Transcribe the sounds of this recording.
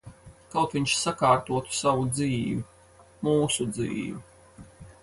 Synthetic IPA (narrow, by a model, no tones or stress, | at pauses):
kawt̪viɲʃsakaːɾt̪uɔt̪u̥savud̪ziːvʲi | muːsud̪zḭːvʲi